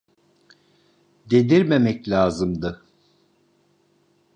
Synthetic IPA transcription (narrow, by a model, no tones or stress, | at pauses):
d̪ed̪iɾmemɛclʲaːzɯmd̪ɯ